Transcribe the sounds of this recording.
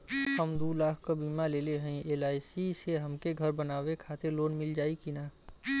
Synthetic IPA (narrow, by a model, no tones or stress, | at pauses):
ɦəmd̪uːlaːkʰkabiːmaleːleɦə̃ĩeːlaːisiseɦəmkeɡʱəɾbənaːwekʰaːt̪eɾloːnmɪld͡ʒaːikinaː